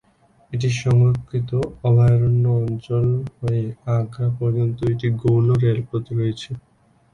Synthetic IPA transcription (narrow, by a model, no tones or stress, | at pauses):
eʈ̬iʃɔŋɾokʰːit̪oɔbʱaɾonːoɔnt͡ɕolɦɔeãkapɔɾd͡ʑont̪oeʈiɡowloɾelpot̪iɾojet͡ɕʰe